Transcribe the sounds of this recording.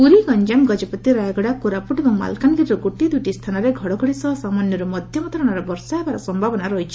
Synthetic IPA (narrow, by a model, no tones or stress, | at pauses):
uɾiɡɔɲd͡ʒamɡɔd͡ʒɔpɔt̪iɾajɡɔɽakuɾapuʈebɔŋma̰lkanɡiɾɾɔɡuʈid̪ujʈist̪ʰanɔɾeɡʱɔɽɔɡʱɔɽisɔɦɔsamanjɔɾumɔd̪ʱjɔmɔt̪ɔɾɔɽ̃aɾɔbɔɾsaebaɾɔsɔmbʱabɔnaɾɔɦjt͡ʃʰi̥